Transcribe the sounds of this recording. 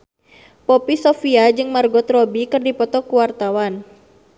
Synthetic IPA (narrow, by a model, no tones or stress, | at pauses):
pɔpisɔfiad͡ʒɨŋmarɡɔt̪rɔbikɨrdipɔt̪ɔkuwart̪awan